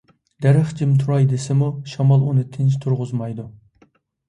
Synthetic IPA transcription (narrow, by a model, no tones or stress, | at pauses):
d̪æɾɨχd͡ʒɪmt̪ʰuɾɑjd̪ɪsɪmuʃɑmɑlˠunɨt̪ʰɪnt͡ʃt̪ʰuɾʁʊzmɑjd̪u